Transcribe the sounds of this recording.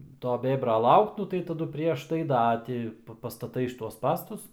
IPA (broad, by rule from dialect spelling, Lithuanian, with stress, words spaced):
ˈtoː ˈbʲeːbrɐ ˈlˠɐʊkt ˈnʊ tɐɪ tɐˈdʊ ˈpʲrʲiɛʃ tɐɪ ˈdɐ tʲɪ pɐstɐˈtɐɪ ʃʲɪˈtuɔs ˈspɑːstʊs